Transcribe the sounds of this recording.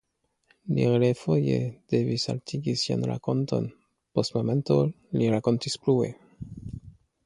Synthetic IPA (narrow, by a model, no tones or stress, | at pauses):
lḭɾelefo̞jḛd̥e̞visa̰ltʰiɡisia̰nɾa̰ko̞nto̞̰n | po̞stmo̞me̞nto̞ | liɾako̞ntisplue̞̰